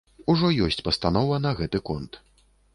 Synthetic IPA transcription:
uʐɔjɔsʲt͡sʲpɐst̪anɔvɐnɐɣɛt̪ɨkɔnt̪

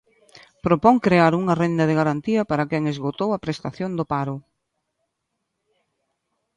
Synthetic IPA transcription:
pɾopɔŋkɾeaɾuŋɐrend̪ɐðɪɣaɾant̪iɐpaɾɐkɛŋezɣot̪owɐpɾest̪aθjond̪ʊpaɾʊ

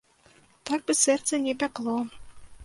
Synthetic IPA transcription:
t̪ɑk̚bɘsɛrt̪sɛnʲepæklˠo

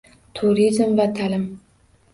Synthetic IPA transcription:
t̪ʰuɾizmvat̪ʰalɪm

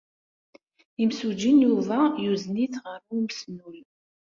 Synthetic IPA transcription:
imsud͡ʒinjuðˤajuzniθʁəɾuməsnul

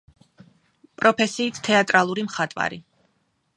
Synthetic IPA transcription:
pʼɾɔpʰɛsiːt̪ʰt̪ʰɛat̪ʼɾalˠuɾimχat̪ʼwa̰ɾi

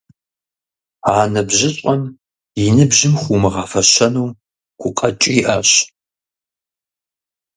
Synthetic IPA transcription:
aːnɐbʑɪɕʷʼɔm | jɪnɨbʑɪmχʷuːmɨʁɐfɐɕɐnuː | ɡ̥ʷʊqʼɐt͡ʃʼiːʔɐɕ

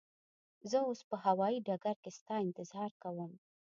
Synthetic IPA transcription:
zəospəhawɑiɖaɡaɾkest̪ɑɪnt̪ɪzhɑɾkawəm

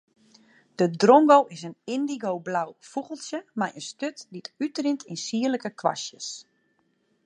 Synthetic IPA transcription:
d̥ədroŋɡowɪsənɪndiɡowblawfuɣəlˠsjəmajʔənstøtdityt̚rɪntʰɪnsiələkəkʰʋa̰sjə̰s

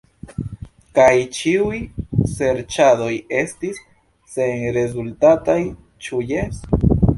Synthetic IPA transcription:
kajt͡ʃiujse̞ɾt͡ʃado̞je̞stisː | e̞nɾe̞zultataj | t͡ʃujes

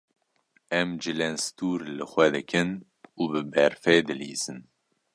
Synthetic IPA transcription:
ɛmd͡ʒɨlɛnst̪uːɾlɨxʷɛd̪ɨkʰɨn | uːbɨbɛɾfɛːd̪ɨlḭːz̥ɨn

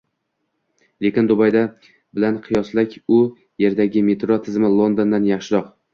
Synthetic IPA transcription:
le̞kʲɪnd̪ʊbajd̪a | bɪlanqʰɨjɒslakʲʊ | je̞ɾd̪aɡʲɪme̞t̪ɾot̪ʰɪzmɪlˠo̞nd̪ond̪anjɑχʃɪɾɒq

